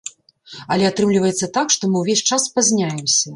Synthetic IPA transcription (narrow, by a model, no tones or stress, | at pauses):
ɐlʲɛat̪ɾɨmlʲivɐjɛt̪sːɐt̪akʂt̪ɔmɨwvʲesʲt͡ʂaspazʲnʲajɛmsʲɐ